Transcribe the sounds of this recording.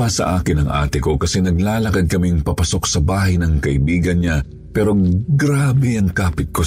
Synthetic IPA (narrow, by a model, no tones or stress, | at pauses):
asɐ̰ʔaːkɪnɐŋʔa̰ːt̪ɪko̞kɐsɛnɐɡlaːlɐkɐd̪̚kɐmiŋpɐpɐso̞ksɐbaːhɐjnɐŋkɐʔɪbiːɡɐnɲa | pɛːɾo̞ɡɾaːbɛɐŋkaːpɪt̪̚ko